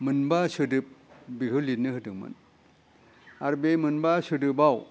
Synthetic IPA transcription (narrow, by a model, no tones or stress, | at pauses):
mɯnbasɯdɯp̚bikʰɯlit̚nɯhɯtɯŋmɯ̰n | aɾbejmɯnbasɯdɯbaw